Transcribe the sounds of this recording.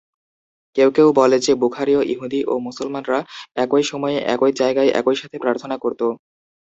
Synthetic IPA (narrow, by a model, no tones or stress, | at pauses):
kewkewbɔled͡ʑebukʰaɾioʔiɦud̪iʔomusolmanɾaɛkojʃɔmɔeʔɛ̰kojd͡ʑaeɡaeʔɛ̰kojʃat̪ʰepɾaɾt̪ʰonakoɾt̪o